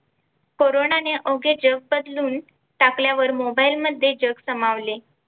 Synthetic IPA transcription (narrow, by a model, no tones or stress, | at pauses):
koɾonaneʔoɡed͡ʑəɡ̚bəd̪luːn | ʈakljaʋəɾmobailməd̪ʱːjed͡ʑəɡsəmaʋle